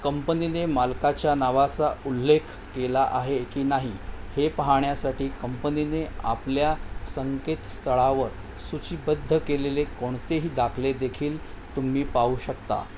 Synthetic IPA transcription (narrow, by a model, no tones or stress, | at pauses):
kəmpəninemalkat͡ɕjanaʋat͡saulːekʰ | kelaʔaɦekiːnaɦihepəɦaɳjasaʈiːkəmpəninea̰pljasəŋket̪st̪ʰəɭaʋəɾ | sut͡ɕibəd̪ʱːəkelelekoɳt̪eɦiːd̪akʰled̪ekʰiːl | t̪um̤iːpauːɕəkt̪a̰